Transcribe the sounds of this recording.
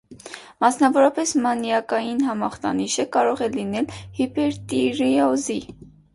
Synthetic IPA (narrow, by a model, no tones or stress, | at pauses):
mɑsnɑvɔɾɑpɛsmɑnjɑkɑjinɦɑmɑχt̪ɑ̰niʃəkɑɾɔʁɛlinɛlhipɛɾt̪iɾiɔzi